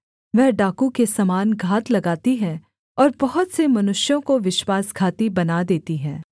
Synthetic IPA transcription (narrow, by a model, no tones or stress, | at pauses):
ʋɛɦɖaːkukesɐmaːnɡʱaːt̪lɐɡaːt̪iɦɛ̃ | ɔːɾbɐɦʊt̪semɐnʊʃjõkoʋɪʃwaːsɡʱaːt̪ibɐnad̪eːt̪iɦɛ̃ː